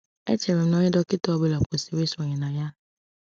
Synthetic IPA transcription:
ɛ̰˦t͡ʃɛ˨ɾɪ˨˦nɔ̃˦ɪ˦dɔ˦kɪ˦tɔ˦ɔ˦˨be˦˨la˨ko˨se˨we˦sɔ˨ɲɪ̃˨nã˨ja˦

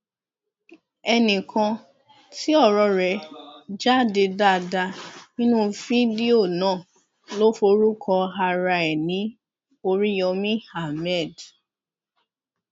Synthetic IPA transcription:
ɛ˧nĩ˨kʰã˧ | ti˦ɔ˦˨ɾɔ˧ɾɛ˨˦d͡ʒa˦˨de˧da˦˨da˧nĩ˦nũ˦fi˦di˦o˦˨nãː˦˨ | lo˦fo˧ɾu˦kʰɔ˧ɦa˧ɾa˧ɛ˨nĩ˨˦ | o˧ɾi˦jɔ˧mĩ˦ha˦˨mɛ˦˨d

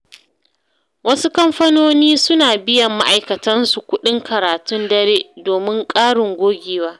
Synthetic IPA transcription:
wɐ˦su˦kɐ˦mɸɐ˦noː˦niː˦sʊ˦naː˨bɪ˦jɐ˨mːa̰˦ʔa˨jkɐ˨tɐ˦nsu˨kʷʊ˦ɗɪ˦ŋkɐ˨ɾaː˨tʊ˦ndɐ˦ɾeː˦doː˨mɪ˦ŋkʼaː˦ɽɪ˨ŋɡʷoː˦ɡʲeː˨waː˦

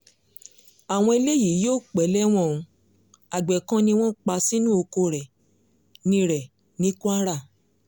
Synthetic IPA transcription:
a˨w̃ɔ̃˧e˧le˦ji˨˦joː˦˨k͡pɛ˨˦lɛ˦w̃ɔ̃˦˨ũ˧ | a˨ɡ͡bɛ˨kã˦nĩ˧w̃ɔ̃˦k͡pa˧si˦nũ˦o˧ko˧ɾɛ˨ | nĩ˦ɾɛ˨ | nĩ˦ku˦a˦ɾa˦˨

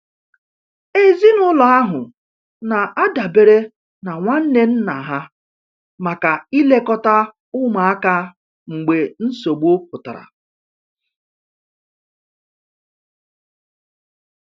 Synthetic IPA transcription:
e˦zi˦nʊ˦lɔ˨a˦ɦʊ˨ | na˨ʔa˦da˨be˨ɾe˦ | na˨ŋʷa˦n̩˦ne˦n̩˦na˨ɦa˦ | ma˨ka˨i˦le˦kɔ˦ta˦ | ʊ˦ma˨a˦ka˦ | ŋ͡m̩˨ɡ͡be˨n̩˦so˨ɡ͡bo˦k̚ʊ˨ta̰˨ɾa̰˨

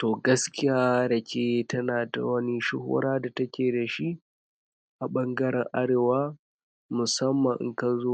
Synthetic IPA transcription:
toː˨ɡɐ˦skʲɪ˦jaː˦ɾɐ˨kʲeː˦tʰɐ˦naː˨da̰˨wɐ˦ni˦ʃʊ̰˦ho̰ː˦ɾaː˦da˨tɐ˦kʲeː˨da˨ʃi˦ʔ | ʔa˨ɓɐ˦ŋɡɐ˦ɾɛ˨ŋʔa˦ɽeː˨waː˦ | mʊ˨sɐ˦mːɐ˨ŋʔŋka˨zoː˦

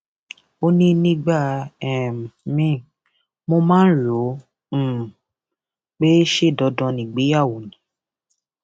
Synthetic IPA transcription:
o˦nĩ˦nĩ˦ɡ͡ba˦˨ɛ˨m˨mĩ˦˨ | mo˧mãː˦lõ˨˦˨ | k͡pe˦ʃe˦˨dɔ˧˦dɔ̃˧nĩ˨ɡ͡be˨˦a˦˨wo˨nĩ˨˦

